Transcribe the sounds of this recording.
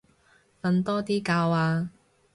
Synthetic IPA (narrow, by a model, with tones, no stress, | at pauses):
kɐ˧nt̪ɔː˥t̪iː˥kaː˧waː˧